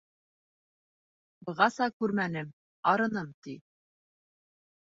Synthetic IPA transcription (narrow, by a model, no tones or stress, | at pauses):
bɤ̆ʁɑsɑkʉɾmænɘm | ɑɾɤ̆nɤmt̪i